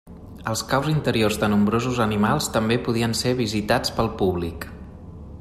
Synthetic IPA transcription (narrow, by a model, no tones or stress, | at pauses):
əlˠskawzint̪əɾiorzðənumbɾozuzənimalˠst̪əmbepuð̞iənseβ̞izit̪at͡spəlˠpuβlik